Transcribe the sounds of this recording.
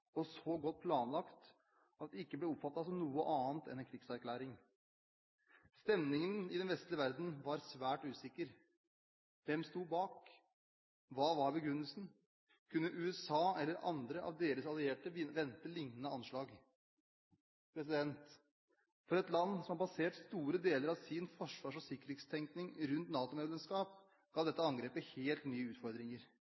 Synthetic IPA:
ɔsɔɡɔt̪̚ːpʰlɑːnlɑkt̪ | ɑt̪d̪ɛɪkːəblɛɔpfɑt̪ːɑsɔmnuːəʔɑːnt̪ɛnɛnkʰɾɪɡsæɾkʰlæːɾɪŋ | st̪ɛmnɪŋənɪd̪ɛnʋɛst̪lɪəʋæɾd̪n̩ʋɑɾsʋæːʈʉːsɪkːəɾ | ʋɛmst̪uːbɑːk | ʋɑːʋɑɾbəɡɾʉnːəlsn̩ | kʰʉnːəʔʉːɛsɑːɛlːəɾʔɑ̰nd̪ɾəʔɑ̰ʋd̪eːɾəsɑlɪeːʈəɪʋɛnt̪əlɪŋnənəɑnʂɭɑːɡ | pʰɾɛs̬ɪd̪ɛnt̪ | fɔɾɛt̪lɑnːsɔmhɑpɑseːʈst̪uːɾəd̪eːləɾɑʋsɪnfɔʂʋɑːʂɔsɪkːəɾheːt̪st̪ʰɛŋknɪŋɾʉnt̪nɑːt̪ʊmeːd̪ɛmskɑːp | ɡ̥ɑːʋd̪ɛt̪ːəɑŋɡɾeːpəheːlt̪nyːəʉːt̪fɔɾd̪ɾɪŋəɾ

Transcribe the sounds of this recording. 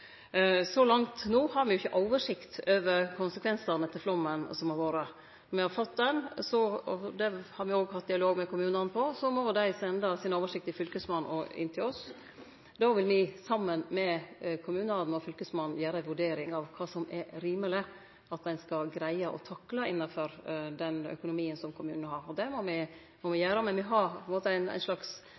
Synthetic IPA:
sɔlɑŋt̪nuːhɑɾʋɪjʊɪçːəʔɔʊʋəʂɪkt̪ʰøːʋəɾkʰʊnsəkʋɛnsəɾnət̪ʰɪflɔmːənsɔmɑʋoːɾə | ɔmɪhɑɾfɔt̪ːd̪ɛnsɔɔd̪ɛhɑɾʋɪoːɡhɑt̪̚ːd̪ɪɑloːɡmɛkʰʊmʉːnɑnpʰɔsɔmɔd̪æɪsɛnd̪əsɪnoːʋəʂɪk̚t̪ɪfʏlkəsmɑnɔɪ̰nːt̪ʰɪlɔs | d̪oːʋɪlmɪsɑmːənmɛkʰʊmʉːnəɑnnɔfʏlkəsmɑnn̩jæːɾəæʋʉɖeːɾɪŋɑʋkʰɑːsɔmɛɾiːməlɪ | ɑt̪̚d̪ɛɪnskɑlɡɾæɪəʔɔ̰t̪ʰɑkːlɑɪnːəfɔɾd̪ɛnœ̰kʊnʊmiːənsɔmkʰʊmʉːnənɦɑɾɔd̪ɛmɔmɪ | mɔmɪjæːɾəmɛʋɪɦɑpʰɛnmoːt̪əæɪnæ̰ɪʂlɑks

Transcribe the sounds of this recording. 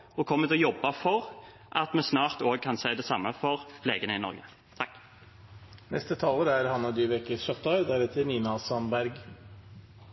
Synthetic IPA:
ɔkʰɔmːət̪ʰlɔjɔbːɑfɔʁ | ʔɑt̪mɛsnɑːʁt̪oːɡ̚kʰɑnsæɪd̪ɛsɑmːəfɔʁpʰleːɡənəɪnɔ̰ɾɡə̰ | t̪ʰɑkː | nɛ̰st̪ət̪ʰɑːləɾæɾhɑnːɑd̪ʏʋɛkəʃœʁt̪ɑɾd̪æɾɛt̪ʰːɪniːnɑsɑnbæɾɡ

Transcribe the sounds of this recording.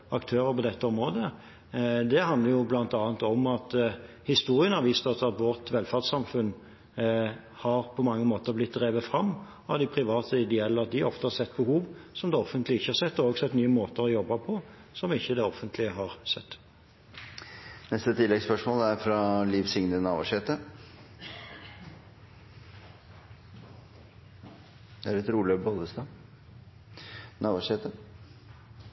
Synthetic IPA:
ɑkt̪ʰøːɾəpɔd̪ɛt̪ːəɔmɾoːd̪ə | d̪ɛhɑnd̪ləɾjʊblɑnt̪ɑːnt̪ɔmɑt̪ | hɪst̪uːɾɪənɑʋiːst̪ɑsɑt̪ʋɔʁt̪ʋɛlfæʁd̪sɑmfʉn | hɑɾpʰɔmɑŋːəmoːt̪əɾblɪt̪̚d̪ʁeːʋət̪fɾɑmː | ɑʋd̪ɪpʰɾɪʋɑːt̪ʰəɪd̪ɛɛlːəɾɑt̪̚d̪ɪɔft̪əhɑɾsɛt̪̚ːbəhuːʋsɔmd̪ɛɔfənt̪lɪɪçːəhɑɾsɛt̪ːɔoːɡsɛt̪ːnyːəmoːt̪əɾɔjɔbːɑpʰɔ | sɔmɪçːəd̪ɛɔfːənt̪ʰlɪəɦɑːɾsɛt̪ː | nɛst̪ət̪ʰɪlːɛɡspœʂmoːld̪ɛæɾfɾɑliʋsɪŋnənɑːʋɑ̰ʂeːt̪ə | d̪ɛæɾɛt̪ɾuːløbɔld̪əst̪ɑ | nɑːʋɑʂeːt̪ə

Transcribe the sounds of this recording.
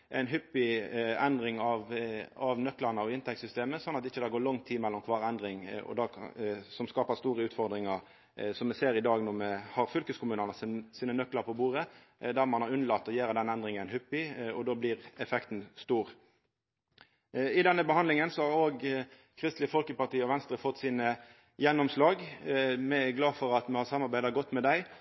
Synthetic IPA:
ʔæ̰ɪnɦʏpːɪɛnd̪ɾɪŋɑʋɑʋnœklɑʁnəɔɪnt̪ʰɛktsʏst̪eːməsɔnːɑt̪ɪçːəd̪ɛæɡoːlɔŋt̪ʰːiːmɛlːɔmkʰʋɑːʁɛnd̪ɾɪŋɔ̰d̪ɑːsɔmskɑːpəst̪uːʁəʉːt̪fɔʁd̪ɾɪŋəʁ | sɔmɛseːɾɪd̪ɑːɡnɔʁmɛhɑʁfʏlkəskʰʊmʉːnəʁnəsiːnənœkləɾpʰɔbuːɾə | d̪æʁmɑnhɑʁʉnəlɑt̪ːɔjæːɾəd̪ɛnɛnd̪ʁɪŋənhʉpːɪɔd̪oːblɪːʁɛfɛkt̪n̩st̪uːʁ | ɪd̪ɛnːəbəhɑnd̪lɪŋənsɔhɑʁɾoːɡ | kʰʁɪst̪lɪəfɔlkəpɑʁt̪iːɔʋɛnst̪ɾəfɔt̪ːsiːnə | jɛnːɔmslɑːɡmɛæɡlɑːfɔɾɑt̪mɛhɑsɑmːɑɾbæɪd̪ɑɡɔt̪ːmɛd̪æɪ

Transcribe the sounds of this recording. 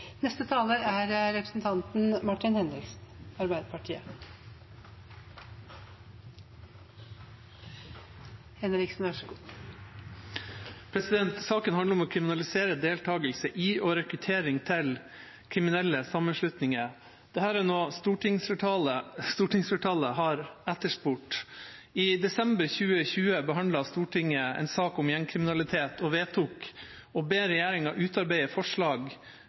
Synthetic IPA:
nɛst̪ət̪ʰɑːləæɾɾɛpɾəsn̩t̪ʰɑnt̪n̩mɑʈːɪnhɛnɾɪksn̩ɑɾbæɪd̪əpʰɑʈʰiːə | hɛnɾɪksnʋæʂɡː | pʰɾɛsɪd̪ɛnt̪sɑːkənhɑnd̪əɾɔmɔːkʰɾɪmɪnɑlɪseːɾəd̪eːlt̪ʰɑːɡəlsəʔiːʔoɾɛkɾʉt̪ʰeːɾɪŋt̪ʰɪl | kʰɾɪmɪnɛlːəsɑmːənʂlʉt̪nɪŋə | d̪̥ɛhæːɾænoːst̪uːʈɪŋɑləst̪uːʈɪŋsfəʈʰɑːləɦɑɾæt̪ːəʂpuːʈ | iːd̪ɛsɛmbəɾçʉːəçʉːəbəɦɑnd̪lɑst̪uːʈʰɪŋːəɛ̰nsɑːkʊmjæŋkʰɾɪmɪnɑlɪt̪ʰeːt̪ʰɔʋeːt̪ʰuːk | ɔbeːɾɛjæːɾɪŋɑʔʉːt̪ɑɾbæɪəfɔʂɭɑːɡ

